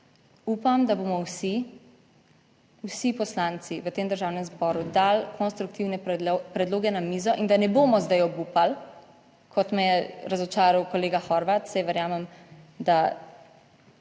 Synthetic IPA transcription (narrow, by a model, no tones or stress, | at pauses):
uːpamd̪abomɔwsi | wsipɔslant̪siʋət̪eːmd̪əɾʒaːwnɛmzbɔːɾud̪alkʰɔnst̪ɾuk̚t̪iwnɛpɾɛd̪loːɡɛnamiːzɔʔind̪anɛbomɔzd̪ajɔbupal | kʰɔt̪mɛjɛɾazɔt͡ʃaːɾawkɔleːɡaxɔɾʋat̪sajʋəɾjaːmɛmd̪a